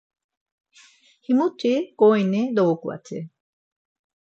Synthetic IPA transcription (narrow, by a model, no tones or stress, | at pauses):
himut͡ʃekoened̪okua̰t͡ɕʰḛ